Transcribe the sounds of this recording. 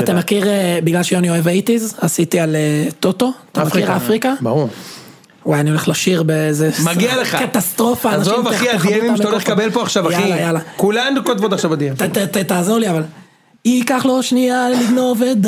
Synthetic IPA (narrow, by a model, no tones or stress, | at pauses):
atamakiʁebiɡlalʃeoanioevait̪izasit̪ialet̪ot̪o̞at̪amakiʁafʁikaba̰uʁ | wajanio̞le̞χlaʃiʁbezemaɡialeχakat̪ast̪ʁo̞faːnazovaiald̪iemimmt̪aoleχkabelpoaχʃavajailajalakulamkot̪vot̪aχʃavbad̪iemat̪at̪at̪aːzoʁliaval | ikaχloʃnialiɡnoved̪